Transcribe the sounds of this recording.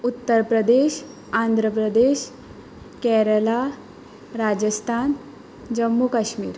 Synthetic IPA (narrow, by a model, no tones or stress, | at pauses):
ut̪ːəɾpɾəd̪eɕ | and̪ʱɾəpɾəd̪eɕ | kɛɾəla | ɾad͡ʑəst̪ʰan | d͡ʑəmːukaɕmiːɾ